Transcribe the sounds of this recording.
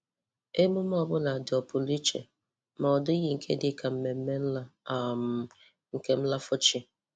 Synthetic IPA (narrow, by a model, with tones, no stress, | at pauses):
e˦mʊ˦m˦ɔ˨bʊ˦na˨dɪ˨ɔ˨pʊ˨li˦t͡ʃḛ˨ | ma˨ɔ˨dʊ˦ɣi˨ŋ̩˨kʰe˦dɪ˦ka˨m̩˦me˨m̩˦me˦m̩˦la˦a˨m̩˦˨ | ŋ̩˨ke˦m̩˦la˦fʊ˦t͡ʃi˦